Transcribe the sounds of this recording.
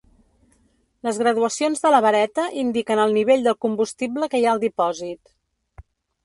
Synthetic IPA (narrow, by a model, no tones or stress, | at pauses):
ləzɣɾəðuəsionzðələβəɾɛt̪əʔind̪ikənəlˠniβ̞eʎd̪əlˠkumbust̪ibləkəjaəlˠd̪ipɔzit̪